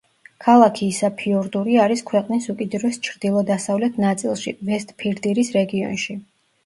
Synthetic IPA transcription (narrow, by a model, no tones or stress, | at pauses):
kʰalˠakʰiːsapʰiɔɾd̪uɾiaɾiskʰwɛqʼnisukʼid̪ɾɛst͡ʃʰɾd̪ilˠɔd̪asavlɛt̪ʰnat̪sʼilˠʃivɛst̪ʼpʰiɾd̪iɾisɾɛɡiɔ̰nʃi